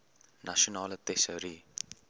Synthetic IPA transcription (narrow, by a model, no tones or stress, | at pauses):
naʃonalt̪ɛsəɾi